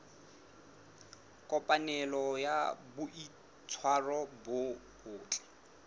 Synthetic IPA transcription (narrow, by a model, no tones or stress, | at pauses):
kʼɔpʼanɛlɔjabʊʔi | t͡sʰwarɔbʊ | bʊːt͡ɬʼɛ̥